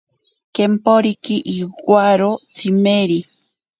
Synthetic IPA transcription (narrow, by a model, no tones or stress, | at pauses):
kempoɾikiʔiɡwaɾot͡simeɾi